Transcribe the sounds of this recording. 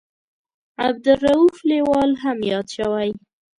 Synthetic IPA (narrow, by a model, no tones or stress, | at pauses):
ab̚d̪ʊrauflewɑlɦamjɑd̪ʃawaj